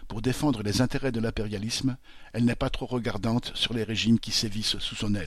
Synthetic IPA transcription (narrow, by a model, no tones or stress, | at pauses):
puʁd̪efɑ̃d̪ʁəlezɛ̃t̪eʁɛd̪əlɛ̃peʁjalism | ɛlnɛpat̪χoʁəɡaʁd̪ɑ̃t̪syʁleʁeʒimkʲisevissusɔ̃nɛl